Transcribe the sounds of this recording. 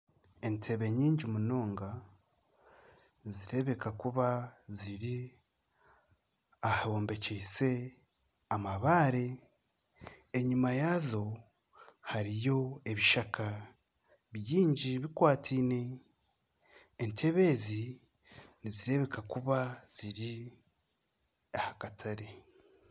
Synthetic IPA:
entʰe̞βe̞ɲiːɲɟimuno̞ːŋɡa | niziɾe̞βe̞kakuβaziɾi | ahaβo̞ːmbe̞ceise̞ | amaβaːɾe̞ | eɲumajazo̞ | haɾijo̞e̞βiʃakʰa | βjiːɲɟiβikwaːtʰiːne̞ | ntʰe̞βe̞zi | niziɾe̞βe̞kakuβaz̥iɾi | ahakatʰaɾe

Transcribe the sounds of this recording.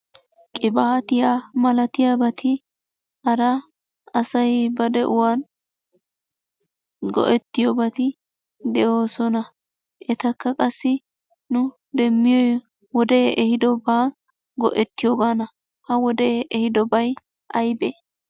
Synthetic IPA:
kʼɪbaːt̪ɪjaːmɐlɐt̪ɪjaːbɐt̪ʰɪ | ʔɐɾɐ | ɐsɐjbɐd̪ɛʔʊwaːn | ɡɔ̰ʔɛt̪ːɪjobɐt̪ɪ | d̪ɛʔoːsɔnɐ | ʔɛt̪ɐkːɐkʼɐsːɪ | nʊ | d̪ɛmːɪjɔj | wɔd̪ɛʔɛhɪd̪ɔbaːn | ɡɔ̰ʔɛt̪ːɪjoːɡanɐ | hɐwɔd̪ɛʔɛhɪd̪ɔbɐj | ʔɐjbe

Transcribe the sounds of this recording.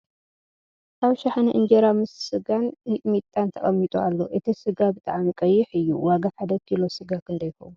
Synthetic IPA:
ʔaβʃaħnɨʔɨnd͡ʒeɾamɨssɨɡanmit̪ʼːant̪ʰɐχʼɐmːit̪ʼualːo̞ʔɨt̪ʰisɨɡabɨt̪ʼaʕamikʼɐjːɪħɨjːuwaɡaħad̪ɐɡʰilo̞sɨɡakʰɨnd̪ɐjko̞̰mu

